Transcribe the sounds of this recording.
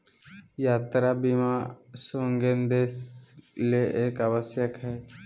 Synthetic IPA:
jaːt̪ɾabimasoːŋɡend̪eːsleʔeːkəʋəsjəkɦɛː

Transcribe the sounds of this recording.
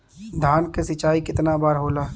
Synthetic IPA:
d̪ʱaːnkesɪt͡ʃaːikɪt̪nabaːɾɦoːlaː

